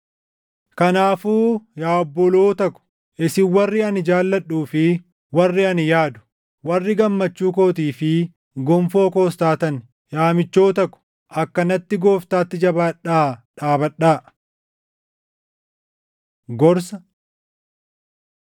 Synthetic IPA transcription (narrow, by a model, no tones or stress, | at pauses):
kɐnaːfuːjaːɔbːɔloːt̪ɐkʊ̥ | ʔɪsɪwɐrːɪɐnɪd͡ʒaːlːɐᶑːuːfɪ | wɐrːɪɐnjaːd̪ʊ̥ | wɐrːɪɡɐmːɐt͡ʃːuːkoːt̪̬iːfɪ | ɡɔmfo̞ːko̞ːst̪aːt̪ɐn | jaːmɪt͡ʃːo̞ːt̪ɐkːʊ̥ | ʔɐkːɐnɐt̪ːɪɡo̞ːft̪aːt̪ːɪd͡ʒɐbaːᶑaːᶑaːbɐᶑaː | ɡɔɾsɐ